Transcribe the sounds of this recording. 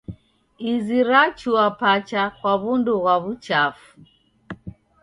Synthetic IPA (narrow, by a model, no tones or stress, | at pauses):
iziɾat͡ʃuapat͡ʃakwaβunduɣwaβut͡ʃafu̥